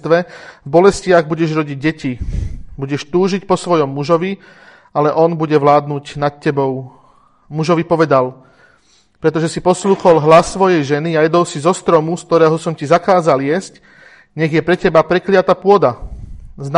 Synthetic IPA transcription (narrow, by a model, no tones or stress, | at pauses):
t̪ʋɛvbɔlɛscɪaɣbuɟɛʒɾɔɟiɟ̚ːɛcibuɟɛʃt̪uːʒic̚pɔsʋɔjɔmːuʒɔʋi | alɛʔɔnbuɟɛʋlaːd̪nucnat̪̚cɛbɔʊ | muʒɔʋipɔʋɛd̪al | pɾɛt̪ɔʒɛsipɔsluːxɔlɦlasːʋɔjɛjʒɛniajɛd̪ɔʊsizɔst̪ɾɔmusk̚t̪ɔɾɛːɦɔsɔmcizakaːzaljɛsc | ɲɛɣjɛpɾɛcɛbapɾɛklɪat̪apʊɔd̪azn